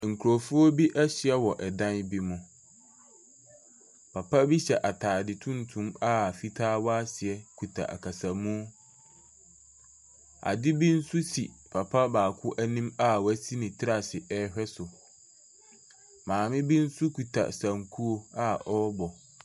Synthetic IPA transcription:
ŋ̩˨kʰu˨ɾo˨fu˦o˦bi˦ʔæ˦ɕɪ˨ɛ˦wɔ˨ʔɛ˨dã˦nbi˦mʊ̃˨ | pʰa˨pʰa˦bi˦ɕɛ˨ʔa˨tʰaː˨dɪ˨tʰũ˦ntʰũ˦ma˦˨fi˦tʰaː˦wɔ˦a˦sɪ˨ɛ˦kʰu˨tʰa̰˨ʔa̰˨kʰa˨sa˨mũ˦ | a̰˨dɪ˦bi˦n̩˦su˦sḭ˨pʰa˨pʰa˦baː˨kʰʊ˦ʔæ˦nĩ˦ma˦wæ˦si˦nĩ˨tʰɪ˦ɾa˨sɪ˨ʔɛ˦hᶣɛ˦sʊ˨ | mãː˨mɪ̃˦bi˦n̩˦su˦kʰu˨tʰa̰˨sã˨ŋkʰu˦o˨a˦ʔɔ˦bɔ˨

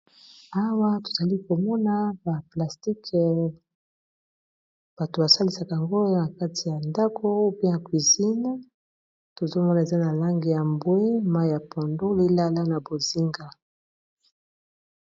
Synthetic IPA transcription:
a˦wa˦to̥˨z̥a˨li˦ko˨mɔ˦na˦ba˨pla˨sti˦kʰ | b̥a˨to˨ba˨sa˦li˨sa˨ka˨a˨ŋɡo˦na˨ka˦ti˨ja˨nda˦kʰo˦o˦pe˦na˨kwi˨zi˦n˦ | to˨zo˦mɔ˦na˨e˨za˦na˨la˦ŋɡi˨ja˨mbwe˦ma˦jja˨pʰɔ˨ndo˦li˦la˦la˦na˨bo˨zi˦ŋɡa˦

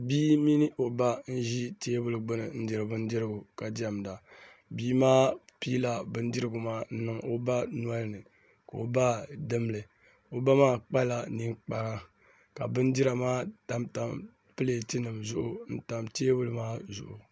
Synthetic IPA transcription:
biː˦mi˦nɨ˦ʔo˨ba˦n̩˦ʒi˦teː˦bʊ˦lɨ˨ɡ͡bʊ˦nɨ˨n̩˦di˨ɾɨ˨bɨ˦n˦dɪ˦ɾɨ˦ɡʊ˨ka˨da˨m˨da˨ | biː˦maː˦piː˦la˨bɨ˦n˦dɪ˦ɾɨ˦ɡʊ˨maː˦n̩˦nɨ˨ŋo˦ba˦nu˦a˦lɨ˦˨nɨ˨ | ka˨o˨ba˦dɨ˦m˦lɨ˨ | o˨ba˦maː˦k͡pa˦la˨ni˦ŋk͡pa˨ɾa˦ | ka˨bɨ˦n˦di˦ɾa˨maː˦ta˦mta˨m | pɨ˦le˨ti˦nɨ˨mzʊ˦ʔʊ˨n̩˦ta˨mteː˦bʊ˦lɨ˦maː˦zʊ̰˨ʔʊ̰˨

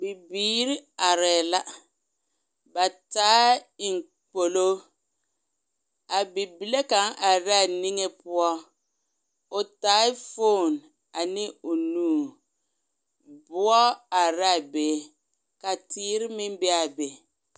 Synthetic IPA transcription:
bi˨biː˦ɾɪ˦a˨ɾɛː˨la˦ | ba˨taː˦ɪ˨ŋ˨ | k͡po˨lo˦ | a˨bi˨bi˨le˦ka˨˦ŋʔa˨ɾa˦˨ni˦ŋe˦pʊ˦ɔ˦ | ʊ˨taː˨˦ɪ˦fo˦˨n | a˨nɪ˦ʊ˨nuː˦˨ | bʊ˦ɔ˦a˨ɾa˦˨beː˨˦ | ka˨tiː˦ɾɪ˦mɪ˦m˦bɛ˦a˨be˨

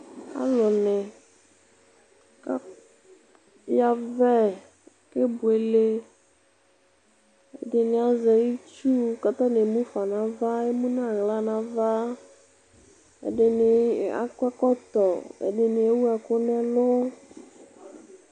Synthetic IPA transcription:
a̰˦lʊ˨nɪ˨ | ka˦ | ja˨vɛ˦˨ | kɪ˦bʊ˨e˨le˦ | ɛ̰˨dɪ˨nɪ˨a˨zɛ˨i˦t͡ʃu˦ka˨t̪a˦nɪ˨mũ˦fa˨nã˨va˦e˦mũ˦na˦˨ɣla˦nã˨va˦ | ɛ̰˨dɪ˨nɪ˨a̰˦kɛ˦kɔ˦t̪ɔ˨ɛ̰˨dɪ˨nɪ˨e˦wu˦a˨kʊ˦nɛ˦lʊ˦

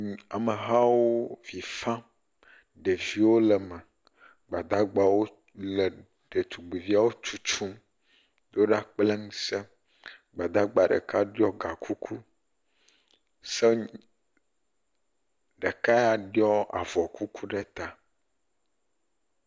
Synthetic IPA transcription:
a˨mə˨ɦa˦wo˦vi˨fã˦ | ɖe˨vi˨wo˦lə˨mɛ˨ | ɡ͡ba˨d̪a˦ɡ͡ba˨wo˦ | le˨ | ɖe˨t̪u˨ɡ͡bi˨vi˦a˦wo˦t͡ʃu˦t͡ʃu˦m | d̪o˦ɖa˦k͡ple˦ŋ˦se˦ | ɡ͡ba˨d̪a˦ɡ͡ba˨ɖə̰˨ka˦ɖjɔ˦ɡa˨kʰu˦kʰu˦ | sɛ˦ | ɖe˨ka˦ja˨ɖjɔ˦a̰˨vɔ˨ku˦kʰu˦ɖɛ˦t̪a˨

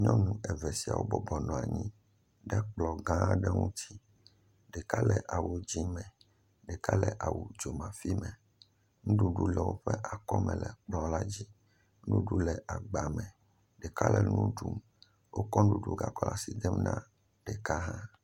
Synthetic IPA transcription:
ɲɔ̃˦nũ˨ɛ˨vɛ˨si˨a̰˨wo˦bɔ˦bɔ˨nɔ̃˨a˨ɲĩ˦ | ɖɛ˦k͡plɔ˨ɡã˦ɖɛ˦ŋũ˦t̪ʰi˦ | ɖɛ˨ka˦lɛ˨ʔa˨wo˦d͡ʑi˦mɛ̃˨ | ɖɛ˨ka˦lɛ˨ʔa˨wu˨d͡ʒo˨mã˨fi˦mɛ̃˨ | ŋũ˦ɖu˦ɖu˦lɛ˨wo˦ɸɛ˦ʔa˨kɔ˦mɛ̰̃˨lɛ˨k͡plɔ̃˨la˦d͡ʑi˦ | ɖu˦ɖu˦lɛ˨ʔa˨ɡ͡ba˨mɛ̃˨ | ɖɛ˨ka˦lɛ˨nũ˦ɖu˨˦m | wʔo˦kɔ̃˦ɖu˦ɖu˦ɡa˨kɔ˦la˨si˨d̪ɛ˦mnã̰˦ | ɖ̥ɛ˨ka˦ɦã˦

